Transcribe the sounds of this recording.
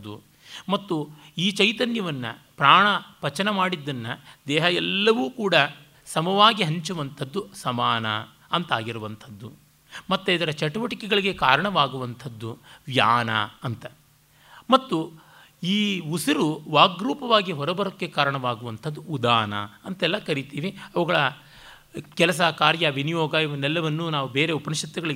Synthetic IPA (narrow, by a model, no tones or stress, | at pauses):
u | mɐt̪ːuiːt͡ʃɐjt̪ɐnjɐʋɐnːɐ̰pɾaːɳɐpɐt͡ʃɐnɐmaːɽid̪ːɐnːɐd̪ɛːɦɐjɛlːɐʋuːkuːɽɐ | sɐmɐʋaːɡiɦɐɲt͡ʃuʋɐnt̪ʰɐd̪ːusɐmaːnɐ̰ | ɐnt̪aːɡiɾuʋɐnt̪ʰɐd̪ːu | mɐt̪ːuid̪ɐɾɐt͡ʃɐʈuʋɐʈikɛɡɐɭiɡe̞kaːɾɐɳɐʋaːɡuʋɐnt̪ʰɐd̪ːuʋjaːnɐ̰ɐnt̪ɐ | mɐt̪ːu | iːusiɾuʋaːɡɾuːpɐʋaːɡiɦɔɾɐbɐɾɐkːekaːɾɐɳɐʋaːɡuʋɐnt̪ʰɐd̪ːuːd̪aːnɐ̰ɐnt̪ɛlːɐkɐɾit̪iːʋiɐʋɐɡɐɭɐ | kɛlɐs̬ɐkaːɾjɐʋinijɔːɡɐiʋɐnɛlːɐʋɐnːunaːʋubeːɾeupɐniʃɐt̪ːɐɡɐɭi